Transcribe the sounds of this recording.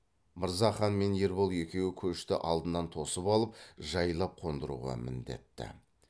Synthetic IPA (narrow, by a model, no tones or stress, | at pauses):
məɾzɑχɑnme̞nje̞ɾbo̞lˠje̞kʲe̞wɪkʲʰɵʃt̪ɪ̰ʔɑlˠd̪ənːɑnt̪ʰo̞səpɑlˠəp̚ʒɑjlˠɑp̚qʰo̞nd̪əɾṵʁɑ̰mɪ̰nd̪e̞̰t̪ːɪ̰